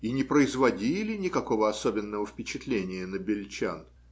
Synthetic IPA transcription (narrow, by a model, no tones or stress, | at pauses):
inʲɪpɾəɪzvɐdʲilʲɪnʲɪkɐko̞vəɐsobʲɪnːəvəfpʲɪt͡ɕɪt̪lʲenʲɪjənəbʲɪlʲt͡ɕa̰n